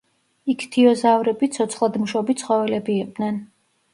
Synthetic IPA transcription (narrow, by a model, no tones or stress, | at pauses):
ikʰt̪ʰiɔzavɾɛbit̪sʰɔt̪sʰχlˠad̪muʃɔbit̪sʰχɔvɛlɛbiːqʼd̪nɛn